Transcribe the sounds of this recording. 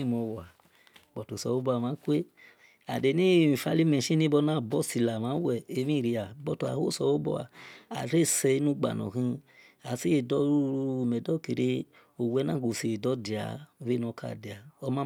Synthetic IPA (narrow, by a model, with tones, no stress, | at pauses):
i˦mɔ̃˧wa˨ | ɡ͡bɔ˨to˨sɔ˨wo˦bɔ˧˦a˨mãː˨˦kʷe˦ | a˨de˨˦nĩ˦˨i˨fa˧˦li˦mɛ̃˨ʃĩ˦nĩ˦bɔ˧˦nãː˦˨bɔ˦˨si˧la˨mãː˨˦wɛ˦˨e˧˦mĩ˦˨ɾi˧a˨bɔ˧to˧a̰˨ho˦˨sɔ˧wo˦bɔ̰˧˦a̰˨a̰˨ɾe˦˨sɛ˧˦nũ˦ɡ͡ba̰˨nɔ̰̃˨kĩ˧ | a˨si˦je˨dɔ˦˧˨mɛ˨dɔ˦˨ki˨ɾe˧ | o˨wɛ˨˦nã˦˨ɡo˧˨si˧˨e˨dɔ˦di˨a̰˨˧˦we˦nɔ̃˧˦kʰa̰˧˨de˨a˨ɔ˧˦mã˦